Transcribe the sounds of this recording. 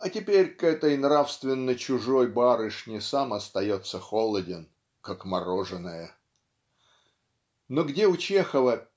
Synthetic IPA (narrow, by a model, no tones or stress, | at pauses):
ɐtʲɪpʲeɾʲkɛt̪əjnrafst̪vʲɪnːəjt͡ɕʊʐo̞jbaɾɨʂnʲɪsamɐst̪ɐjo̞t̪səxo̞lˠədʲɪn | kakmɐɾo̞ʐɨnəjə | noɡdʲeʊt͡ɕexəvə